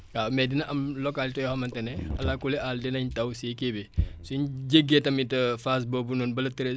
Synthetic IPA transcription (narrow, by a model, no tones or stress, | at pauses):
amɛdinɐʔɐmlɔkaːltɔjɔhɐmɐntɐnɛɐ̰lakulɛʔaldinɐɲtɐwsikebisuɲɟeɡetɐmitɐfas̬bobunɔnbɐlɐtiɾe